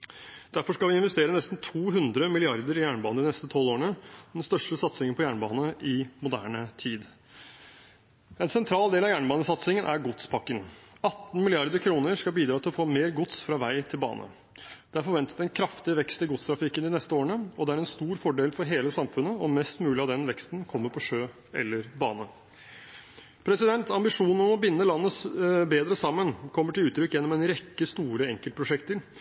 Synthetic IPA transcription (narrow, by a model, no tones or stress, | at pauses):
d̪̥æɾfɔʂkɑlʋɪɪnʋɛst̪eːɾənɛst̪n̩t̪ʰuːɦʉnd̪ɾəmɪlɪɑɾd̪əɾɪjæːɳbɑːnəd̪ɪnɛst̪ət̪ʰɔlːoːɳəd̪ɛnst̪œʂʈəsɑt̪sɪŋənpʰɔjæːɳbɑ̰ːnəʔɪmʊd̪æ̰ːɳət̪ʰiːd̪ | ɛnsɛnt̪ʰɾɑːld̪eːlɑjæːɳbɑːnəsɑt̪sɪŋənʔæɾɡʊt̪spʰɑkːəŋɑt̪ːn̩mɪlɪɑɾd̪əɾkʰɾuːnəɾʂkɑbiːd̪ɾɑːt̪ʰɪlɔfoːmeːɾɡʊt̪sfɾɑʋæɪt̪ʰɪlbɑ̰ːnʔə̰ | d̪̥ɛæɾfɔɾʋɛnt̪ət̪ɛnkʰɾɑft̪ɪəʋɛkst̪ɪlɡʊt̪st̪ʰɾɑfɪkːənɪnɛst̪əoːɾəɳəɔd̪ɛæɾɛnst̪uːɾfɔɖeːlfɔɾɦeːləsɑmfʉnːəɔmɛst̪mʉːlɪɑd̪ɛnʋɛkst̪n̩kʰɔmːəɾpʰɔʂøː | ɛ̰lːəɾbɑ̰ːnə | pʰɾɛsɪd̪ɛnt̪ɑmbɪʂuːnn̩ɔmɔbɪnːəlɑnːəsbeːd̪ɾəsɑmːənkʰɔmːəʈɪlʉːt̪ʰːɾʏkːjɛnːɔmɛnɾɛkːəst̪uːɾəɛŋkəlt̪̚pʰɾʊʂɛkt̪əɾ